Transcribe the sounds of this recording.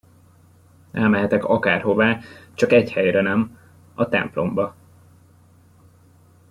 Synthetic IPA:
ʔɛlmɛɦɛt̪ɛkɒkaːrho̞vaːt͡ʃɒkɛchɛjɾɛnɛm | ɒt̪ɛ̰mplo̞̰mbɒ

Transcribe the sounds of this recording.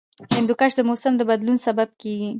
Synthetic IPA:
hɪnd̪ʊkaʃd̪əmosamd̪əbad̪lunsabab̚keɡi

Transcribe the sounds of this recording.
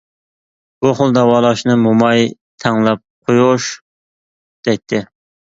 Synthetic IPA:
b̥uχolˠd̪ɑwɑːlˠɑʃnɨmomɑj | t̪ʰɛŋlˠɛp̚qʰojuʃ | d̪̥ɛjt̪ʰːɪ

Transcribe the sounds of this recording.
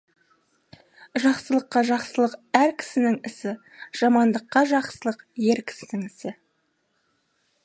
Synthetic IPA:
ʒɑqsəlˠəqːɑʒɑqsəlˠəqæɾkʲʰɪ̥sɪnɪŋɪsɪ | ʒ̥ɑmɑnd̪əqːɑʒɑqsəlˠəqje̞ɾkʲʰɪ̥sɪnɪŋɪsɪ

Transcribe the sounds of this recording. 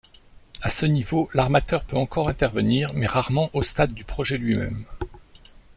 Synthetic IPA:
asənivolaʁmat̪œʁpøɑ̃kɔʁɛ̃t̪ɛʁvəniʁmɛʁaʁmɑ̃ʔost̪ad̪ːypχɔʒɛlɥimɛ̰m

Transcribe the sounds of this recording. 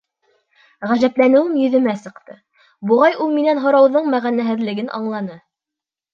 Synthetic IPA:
ʁæʒæplænɘ̆wɘmjɵ̆ðɘ̆mæsɤ̆qt̪ɤ | buʁɑjʔulˠminænɦŏɾɑwðɤɴmæʁænæɦɘ̆ðlɘ̆ɡɘnʔɑ̰ɴlˠɑnɤ

